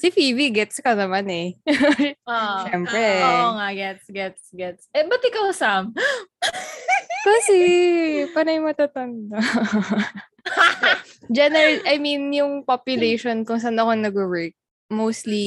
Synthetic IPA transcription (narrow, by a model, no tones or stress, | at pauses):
sɪfiviɡɛt̪skɐnɐmanɛ | oʃɛmpɾɛoʔoŋaɡɛt̪sɡɛt̪̚sɡɛt̪̚sɛbɐt̪ɪkɐsɐm | kɐsipɐnɐjmɐt̪ot̪ono | d͡ʒɛnɛɾʔɐjminjʊŋpopjʊlejʃonkʊŋsɐʔanːɐʔɐko̞nɐɡ̚bʊwɛɹk̚ | mowst̪li